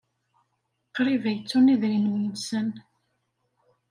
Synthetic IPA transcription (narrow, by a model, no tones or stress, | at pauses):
qɾivæjət͡sːuniðɾinəmjənsən